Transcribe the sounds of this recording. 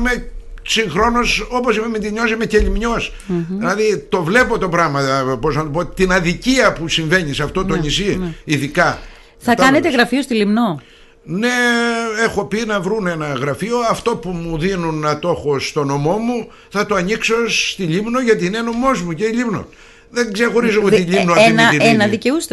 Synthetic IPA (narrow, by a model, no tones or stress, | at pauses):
mesiŋxɾo̞noso̞po̞simemet̪iɲo̞simeceʎimɲo̞s | ðilɐðit̪o̞vle̞po̞t̪o̞pɾɐɣmɐpo̞znɐt̪opo̞t̪inɐðiciɐpusiɱve̞ɲisɐft̪o̞t̪oɲisiiðikɐ | θɐkɐnet̪eɣɾɐfiost̪ilimno | ne̞e̞xo̞pinɐvɾune̞nɐɣɾɐfio̞ɐft̪o̞pumuðinunɐt̪o̞xo̞st̪o̞no̞mo̞mu | θɐt̪oɐɲikso̞st̪iʎimno̞ʝɐt̪iːneno̞mo̞zmuceiʎimno̞̰ | ðeŋɡzexo̞ɾizoott̪iʎimnoɐinɐienɐðiceust̪